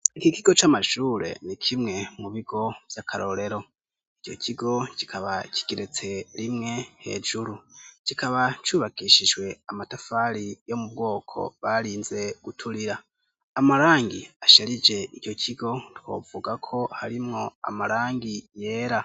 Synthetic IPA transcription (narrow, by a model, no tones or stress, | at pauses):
ikikiɡo̞t͡ʃamaʃuːɾe̞̰nikʰimŋe̞muβiɡo̞v̥jakʰaɾo̞ɾe̞ɾo̞ | ico̞̰cʰiɡo̞ci̥kʰaβaci̥ɡeɾet͡se̞ɾimŋe̞he̞̰ːʒuɾucikʰaβat͡ʃuːβakiːʃiʒwe̞amatafaːɾijo̞mub̚ɡo̞ːkʰo̞̰βaɾiːnze̞ɡ̥utʰuɾiɾaː | maɾaːŋɡḭaʃeɾid͡ʒe̞io̞cʰiɡo̞two̞̰ːvuɡakʰo̞haɾimŋo̞a̰maɾaːŋɡije̞ːɾa